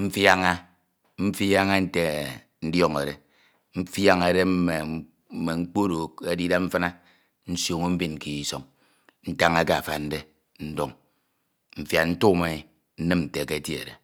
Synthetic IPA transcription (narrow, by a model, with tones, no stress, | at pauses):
m̩˦fja˦ŋa˦ | m̩˦fja˦ŋa˦n̩˦te˨ | n̩˦djɔ˦ŋḛ˨ɾe˨ | m̩˦fja˦ŋe˨de˦m̩˦me˨˦ | me˨ŋ͡m̩˦k͡po˦ɾo˨ke˦di˦da˦ɱm̩˦fa˦na˦ | n̩˦sjo˨ŋo˦m̩˦bi˦n˨ki˨i˦so˨ŋ | n̩˦ta˦ŋe˦ka˦a˨fa̰˨n̩˦de˦ | n̩˦do˦ŋ | m̩˨fja˨n̩˦tu˦me˨ | n̩˦nɨ˦mn̩˨te˨ke˦e˨˦tji˦ḛ˨ɾe˨